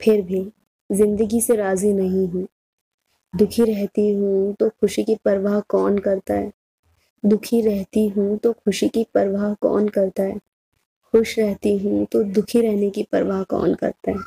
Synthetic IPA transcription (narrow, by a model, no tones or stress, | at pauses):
pʰɪɾbʱi | zɪ̃nd̪əɡiseɾaːzinɐɦĩɦũː | d̪ʊkʰiɾɛɦt̪iɦũt̪oxʊʃikipɐɾʋaːɦkɔːnkɐɾt̪aɦɛː | d̪ʊkʰiɾɛɦt̪iɦũt̪oxʊʃikipɐɾʋaːɦkɔ̰ːnkɐɾt̪aɦɛː | xʊʃɾɛɦt̪iɦũt̪od̪ʊkʰiɾɛɦnekipɐɾʋaːɦkɔ̰ːnkɐ̰ɾt̪aɦɛː